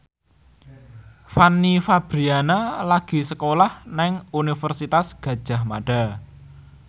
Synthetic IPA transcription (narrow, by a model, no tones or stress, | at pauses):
fanːifab̥ɾianalaɡ̥i̤səkolahnɛŋunifərsit̪asɡ̥ä̤d̥ʒ̥a̤hmaɖ̥a